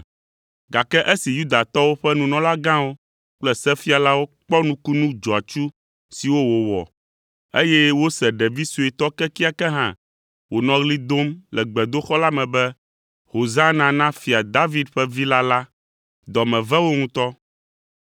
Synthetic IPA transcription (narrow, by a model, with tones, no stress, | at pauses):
ɡa˨kɛ˦ʔe˦si˨ju˦d̪a˨t̪ɔ˦wo˦ɸɛ˦nũ˨nɔ̃˨˦la˦ɡã˦wo˦ | k͡plɛ˦sɛ˦fi˦a˨la˦wo˦k͡pɔ˦nũ˦ku˦nũ˦d͡ʒɔ˨a˨t͡ʃu˦ | si˨wo˦wo˨wɔ̰˨ | e˦jɛ˦wo˦sɛ˨ɖɛ˨vi˦su˨ɛ˨t̪ɔ˦kɛ˦ki˦a˨kɛ˦ɦã̰˦ | wo˨nɔ̃˨ɣli˦d̪o˦mlɛ˨ɡ͡bɛ˨d̪o˦xɔ˦la˦mɛ̃˨bɛ˦ | ho˨zã˦nã˨nã˦fi˨a˨d̪a˦vi˦d̪ɸɛ˦vi˦la˦la˦ | d̪ɔ˨mɛ̃˨vɛ˦wo˦ŋũ˦t̪ɔ˦